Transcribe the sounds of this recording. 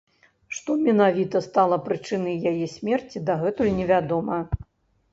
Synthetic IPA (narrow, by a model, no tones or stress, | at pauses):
ʂt̪ɔmʲɛnavʲit̪ɐst̪alˠɐpɾɨt͡ʂɨnɐjjajɛsʲmʲɛrt͡sʲid̪aɣɛt̪ulʲnʲɛvʲad̪ɔmɐ